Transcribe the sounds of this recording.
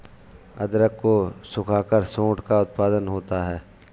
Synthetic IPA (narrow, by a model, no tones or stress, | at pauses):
ɐ̰d̪ɾəkːosʊkʰaːkəɾsõːʈkaʊt̪paːd̪ənɦoːt̪aɦɛː